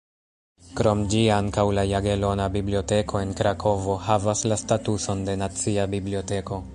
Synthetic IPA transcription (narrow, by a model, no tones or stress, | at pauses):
kɾo̞md͡ʒiaŋkawlajaɡe̞lo̞nabiblio̞te̞kʰo̞e̞nkɾakʰo̞vo̞havaslastatuso̞nde̞nat͡siabiblio̞te̞ko̞